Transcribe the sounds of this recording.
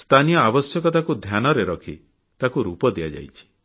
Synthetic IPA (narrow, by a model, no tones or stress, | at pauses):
st̪ʰanijɔabɔsjɔkɔt̪akud̪ʱjanɔɾeɾɔkʰi | t̪akuɾupɔd̪ea̰d͡ʒa̰jt͡ʃʰi̥